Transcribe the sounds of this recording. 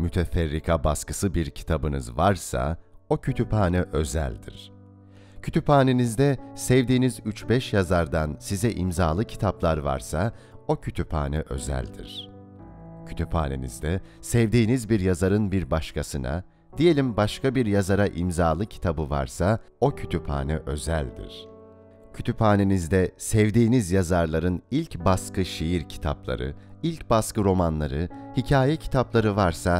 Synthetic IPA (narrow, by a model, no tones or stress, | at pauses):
myt̪ʰɛfɛɾːikʰabaskɯ̥sɯbiɾcʰi̥t̪ʰabɯnɯzvaɾsa̰o̞cʰyt̪ʰypaːnɛʔø̞zæ̰lʲd̪ḭɾ̥ | cʰy̥t̪ʰypaːnenizd̪ɛsɛvd̪iːnizyt͡ʃbɛʃjazaɾd̪ansizɛʔimzaːlˠɯcʰi̥t̪ʰaplˠaɾva̰ɾsa | o̞cʰyt̪ʰypa̰ːnɛʔø̞̰zæ̰lʲd̪ḭɾ̥ | cʰy̥t̪ʰypha̰ːnḛnḭzd̪ɛsɛvd̪iːnizbiɾjazaɾɯnbiɾbaʃkʰasɯnʔa̰ | d̪̥ije̞lʲimbaʃkʰabiɾjazaɾaʔimzaːlˠɯcʰi̥t̪ʰabɯva̰ɾsa | o̞cʰyt̪ʰypha̰ːnɛʔø̞zæ̰lʲd̪ḭɾ̥ | cʰyt̪ʰyphaːne̞nizd̪ɛsɛvd̪iːnizjazaɾlˠaɾɯnilʲcbaskʰɯʃijiɾcʰi̥t̪ʰaplˠa̰ɾɯ̰ilʲcbaskɯɾo̞manlˠaɾɯhicʰaːjɛcʰi̥t̪ʰaplˠaɾɯvaɾsa